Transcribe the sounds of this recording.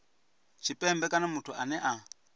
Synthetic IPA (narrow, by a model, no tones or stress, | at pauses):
t͡ʃʰipʼɛmbɛkʼanamutʰuʔanɛʔa